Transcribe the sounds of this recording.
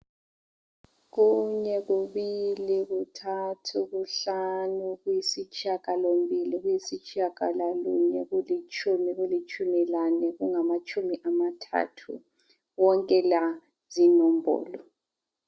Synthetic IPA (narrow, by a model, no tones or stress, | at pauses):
ɣuɲɛɣuβiliɣutʰatʰuɣuɬanuɣujisit͡ʃʰʼiakʼalombʱiliɣujisit͡ʃʰʼiakʼalaluɲɛɣulit͡ʃʼʰumiɣulit͡ʃʰʼumilanɛɣuŋamat͡ʃʰʼumiʔamatʰa̰ːtʰṵ | wɔŋkʼɛla | zinɔm̩bʱɔ̰ːlɔ